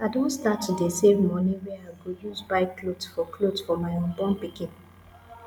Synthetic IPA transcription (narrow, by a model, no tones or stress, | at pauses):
aɪdõntstatːudesevmɔniwɛaɪɡojuzbaɪklodsfɔkʰlodsfɔmaɪɔ̃nbɔ̃npikĩn